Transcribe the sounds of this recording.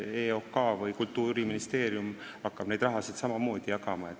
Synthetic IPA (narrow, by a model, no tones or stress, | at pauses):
eokːɑvɤjkult̪ːˑuːɾiminist̪e̞ːɾjum | ɑkːɑb̥ne̞jd̪rɑɦɑsid̪̥sɑmɑmo̞ːd̪̥ijɑkɑmɑet̪ː